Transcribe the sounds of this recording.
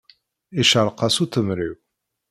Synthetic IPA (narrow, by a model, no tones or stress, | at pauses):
iʃaɾˤqɑsuθəmɾiw